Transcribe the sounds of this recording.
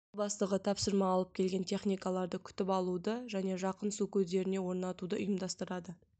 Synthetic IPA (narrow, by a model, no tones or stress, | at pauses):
bɑst̪əʁət̪ʰɑpsəɾmɑːlˠəp̚kʲʰe̞lɡʲe̞nt̪ʲʰe̞χnijkalˠɑɾd̪əkʲʰʏ̥t̪ɪpɑlˠud̪əʒæne̞ʒɑqənsukʲʰɵzd̪e̞ɾɪne̞wo̞ɾnɑt̪ud̪əʔʊ̰jəmd̪ɑst̪əɾɑd̪ə